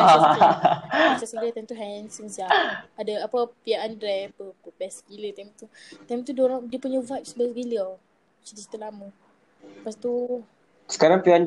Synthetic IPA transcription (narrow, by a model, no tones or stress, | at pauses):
a | sasəɡɾet̪amt̪uɦɛnsəŋəsiaadaapəpiaʔandɾɛpəkəbɛskilət̪amt̪ut̪amt̪udioɾaŋdiəpuɲəvajp̚sbəɡilia | t͡ʃid̪isi̥t̪ulamu | past̪u | sə̥kaɾaŋpiaan